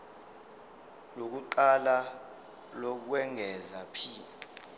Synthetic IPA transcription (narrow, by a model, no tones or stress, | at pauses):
lok̬uǃala | lok̬wɛŋʱɛzapʰiː